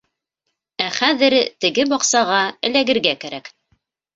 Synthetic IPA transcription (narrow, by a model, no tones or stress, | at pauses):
æχæðɘɾt̪ɘ̆ɡɘbɑqsɑʁɑɘ̆læɡɘ̆ɾɡækæɾæk